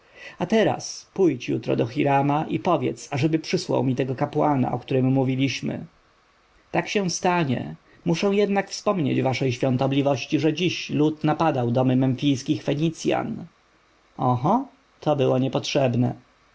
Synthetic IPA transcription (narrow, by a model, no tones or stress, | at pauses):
at̪ɛɾa̰spujt͡ɕjut̪ɾɔ̰d̪ɔxʲiɾamaʔipɔvʲjɛ̰t̪saʐɛbɘpʂɘswa̰wmʲit̪ɛɡɔkapwana̰ɔkt̪uɾɘmːuvʲilʲiɕmɘ̰ | t̪akɕɛw̃st̪aɲɛ̰ | muʂɛ̃w̃jɛd̪nakfspɔmɲḛd͡ʑvaʂɛjɕfʲjɔ̃nt̪ɔblʲivɔɕt͡ɕiʐɛd͡ʑiɕlut̪napad̪awd̪ɔmɘmɛnfʲijskʲixfɛɲit̪sʲja̰n | ɔɦɔ | t̪ʰɔbɘwɔɲɛpɔtʂɛbnɛ